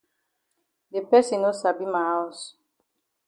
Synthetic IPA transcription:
de˨pɛ˦si˨no˦sa˨bi˦ma˨a˦ɔ˨s

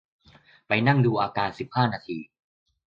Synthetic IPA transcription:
pa˧jna˥˩ŋduː˧ʔaː˧kaː˧nsi˨˩p̚haː˥˩naː˧t̪ʰiː˧

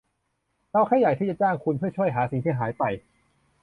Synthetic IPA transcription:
t̪a˧wkʰa˥˩ja˨˩jt̪ʰiː˥˩t͡ɕa˨˩t͡ɕaː˥˩ŋkʰu˧npʰɯ˥˩ɐt͡ɕʰu˥˩əjɦaː˩˦si˨˦t̪ʰiː˥˩ɦaː˩˦jpa˧j

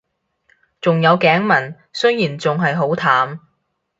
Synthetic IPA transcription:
t͡sʊ˨ŋjɐ˨˧wkɛː˨˥ŋmɐ˨˩n | sɵ˥jjiː˨˩nt͡sʊ˨ŋɦɐ˨jɦo˨˥wt̪ʰaː˨˥m

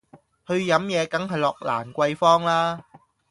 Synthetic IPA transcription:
hɵ˧ɥjɐ˨˥mjɛː˨˧kɐ˨˥ŋɦɐ˨jlɔː˨k̚la̰ː˨˩nkʷɐ˧jfɔː˥ŋlaː˥

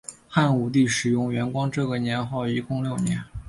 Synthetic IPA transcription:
xa˥˩nu˨˩t̪̬i˥˩ʂɻ̩˨˩jʊ˥˩ŋɥɛ˧˥nkwɑ˥ŋʈ͡ʂɤ˥˩ɡə˩njɛ˧˥nxɑ˥˩ʊi˧˥kʊ˥˧ŋljo˥˩ʊnjɛ˧˥n

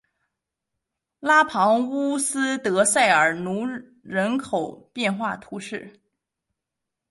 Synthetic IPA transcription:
la˥pʰɑ˧˥ŋu˥sɹ̩˥t̪ɤ˧˥sa˥˩ɪə˞˨˩nu˧˥ | ɻə˧˥nkʰo˨˩ʊpjɛ˥˧nxwa˥˩t̪ʰu˧˥ʂɻ̩˥˩

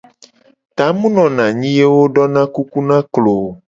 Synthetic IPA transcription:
t̪a˨˦mũ˦nɔ̃˨nã˨ɲĩ˦je˦wo˦ɖɔ˦nã˦ku˦ku˦nã˦klo˨

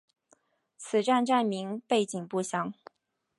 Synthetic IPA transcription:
t͡sʰɹ̩˨˩ʈ͡ʂa˥˧nʈ͡ʂa˥˩nmi˧˥ŋpe˥˩ɪt͡ɕi˨˩ŋpu˥˩ɕjɑ˥ŋ

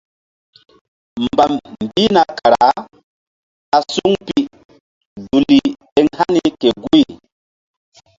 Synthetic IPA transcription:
mba˨mm˨bi˦na˨ka˨ɾa̰˨˦ | a˨su˦ŋpi˨ | du˨li˨ɗe˦ŋha˦ni˦ke˨ɡu˦i˨

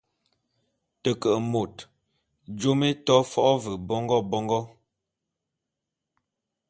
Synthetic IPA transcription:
tə˨kə˨ʔmo˨t | d͡ʒo˦me˦tɔ˦fɔ˦ʔɔ˦və˨bɔ˦ŋɡɔ˦bɔ˦ŋɡɔ˦

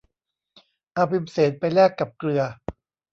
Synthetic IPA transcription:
ʔa˧pʰi˧mseː˩˦t̪̚pa˧jlɛː˥˩kːa˨˩p̚klɯ˧ɐ

